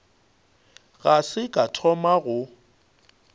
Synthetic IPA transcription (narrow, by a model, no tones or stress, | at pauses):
ɣasɪkʼatʰɔmaɣʊ